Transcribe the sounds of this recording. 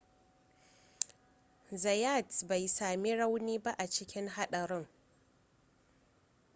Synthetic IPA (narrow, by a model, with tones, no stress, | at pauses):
za˨ja˦˨tba˨jsaː˨mi˦ɽa˦wniː˦ba˦ʔa˨t͡ʃɪ˦kʲɪ˦ŋɦa˦ɗɐ˨ɾɪ˦ŋ